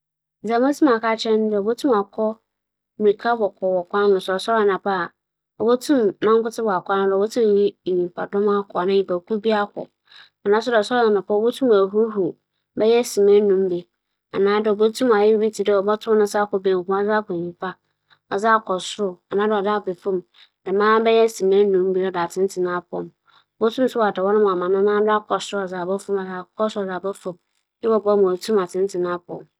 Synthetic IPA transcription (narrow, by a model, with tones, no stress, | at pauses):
d͡zã˨ma˦tʰũ˦ma˨ka˦t͡ɕʰɛ̃˦n˦dɛ˦˨ɔ˨bo˦tʰũ˦ma˨kʰɔ˦ | m˨i˨kʰa˦bɔ˨kʰɔ˨wɔ˨kʰʷã˦n˦nʊ̃˨sʊ˨ɔ˨sɔ˦ɾa˨nã˨pa˦˨ | ɔ˨bo˦tʰũ˦mːã˦ŋkʊ˦tɪ˦bɔ˨a˨kʷnʊ̃˦dɛ˨ɔ˨bo˦tʰũ˦m˨ji˦˨ɲĩ˨m˨pʰa˨dɔ̃˦ma˦kʰɔ˨a˨nã˦˨jĩ˨pa˨kʰũ˦bi˦a˦kʰɔ̰˨ | a˨nãː˦s̬ʊ˦dsɔ˦ã˨nã˨pbo˦tʰũ˦ma˨ɦu˦ɦu˨ | bɛ˦jɛ˦si˨mɛ̃˦nũ˦mbi˨ | a̰˨nãː˦dɪ˦ɔ˨bo˦tʰũ˦ma˨jɪ˦bi˦tʰi˨dɛ˦˨ɔ˨bɔ˦tʰʊ̃˦m˦ʊ̃˦sa˦kɔ˨bẽ˨ŋ˨kũ˦a˦za˦kʰɔ˨ɲĩ˨pʰa˦ | ɔ˨za˦kʰɔ˨sɾʊ˦a˨nãː˦dɛ˨ɔ˨da˦˨be˨fʊ̃˦˨m | dɛ˨mãː˦bɛ˦jɛ˦si˨mɛ̃˦nũ˨˦m˦bi˦ɔ˦da˨tʰɪ̃˦n˦tʰɪ˨nã˦pʊ˨ɔ̰˨m˨ | bo˦tʰũ˦m˦sʊ˦wa˨dɛ˨wɔ˦nʊ̃˦m˨a˨mã˨nã˦nãː˦dʊ˦a˦kʰɔ˨sɾʊ˦a˨za˨bɛ˦fʊ̃˦ma˨za˨kʰɔ˦sɔ˨da˨bɛ˦fʊ̃˨m | jɪ˦bɔ˨bɔ˦m̃˨o˨tʰũ˦ma˨tʰɪ̃˦n˦tʰɪ˨nã˦pʰʊ˨ɔ̰˨m